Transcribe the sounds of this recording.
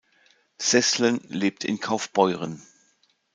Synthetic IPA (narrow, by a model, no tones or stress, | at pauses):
sɛslənleːp̚tʰɪ̰nkʰaʊfb̥ɔʏʁən